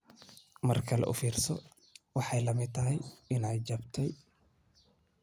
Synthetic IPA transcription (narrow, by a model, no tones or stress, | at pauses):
mɐrkʰɐlɛ̰ʔʊ̰fiːrsɔ | wɑħɑjlɐmɪd̪t̪ːʰɐɦɛjɪnɛjt͡ʃɐbt̪ʰɛj